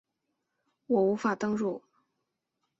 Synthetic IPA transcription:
wɔ˨˩u˧˥fa˨˩t̪ɤ˥ŋɻu˥˩

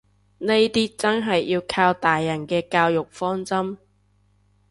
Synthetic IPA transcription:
ne˥jt̪iː˥t͡sɐ˥nɦɐ˨jːiː˧wkʰaː˧wt̪aː˨jːɐ˨˩nkɛː˧kaː˧wjʊ˨k̚fɔː˥ŋt͡sɐ˥m

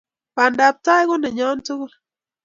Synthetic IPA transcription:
pa˨nda˨p̚ta˦jkɔ˦nɛ˨ɲɔ˦ntu˦ɣu˦˨l

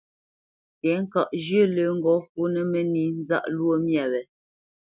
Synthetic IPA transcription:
tɛ˨˦ŋ˦ka˨ʔd͡ʒjə˦lə˨˦ŋ̩˦ɡɔ˨˦fu˦nə˦mə˦ni˨n˦za̰˦ʔlwo˦mja˨wɛ˨

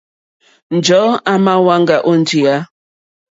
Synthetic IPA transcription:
n̩˨d͡ʒɔ˨˦a˦ma˦wa˦ŋ̩˦ɡa˨ʔo˦n̩˦d͡ʒi˨a˦

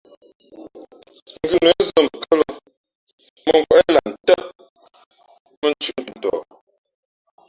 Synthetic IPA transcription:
ŋ̩˨ɡʉ˦˨nə˨˦zə˦˨m˨kə˦lə˨ | mə˨ŋɡwɛ˦la˨n̩˨tə˦ʔ̚ | mə˦n˦t͡ʃu˦n̩˨tɔ̰˨

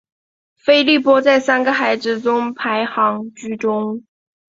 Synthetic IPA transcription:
fe˥ɪli˥˩pwɔ˥t͡sa˥˩ɪsa˥nɡə˨xa˧˥ɪd͡z̩˥˩ʈ͡ʂʊ˥ŋpʰa˧˥ɪxɑ˧˥ŋt͡ɕy˥ʈ͡ʂʊ˥ŋ

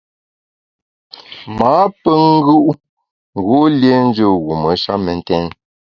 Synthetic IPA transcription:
maː˨˦pə˦ŋ̩˦ɡu˦ʔ | ŋ̩˨ɣo˦lje˦n̩˦d͡ʒə˦˨ɣu˨mə˨˦ʃa˦mɛ˨n̩˦tɛ˦n

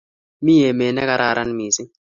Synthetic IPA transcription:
mi˦jɛ˨mɛ˨nɛ˦ka˦ɾa˨ɾa˦n˦miː˨si˦

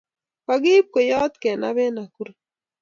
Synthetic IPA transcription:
ka˨ɡɪ˦p̚ko˨jɔ˦t̪kɛ˨na̰˦bɛ˦na˨ku˦ɾ

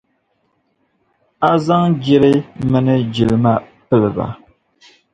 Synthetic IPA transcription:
a˦za˦ŋd͡ʒi˦ɾɨ˦mɨ˦nɨ˦d͡ʒi˨lɨ˨ma˦pɨ˦lɨ˨ba̰˨

